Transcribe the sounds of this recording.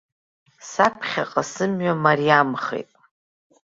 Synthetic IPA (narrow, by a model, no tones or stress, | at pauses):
sapʰχʲa̰qʼasɨmɥamarijamχḛjtʼ